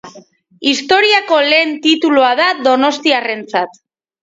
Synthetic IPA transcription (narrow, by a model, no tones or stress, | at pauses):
ist̪o̞ɾiako̞le̞ːnt̪it̪uluaðaðo̞no̞st̪iare̞nt͡sat̪